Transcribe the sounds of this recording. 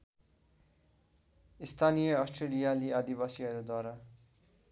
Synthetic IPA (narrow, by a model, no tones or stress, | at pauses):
ist̪ʰanijʌʌsʈrelijaliʌd̪ibasiʌɾud̪waɾa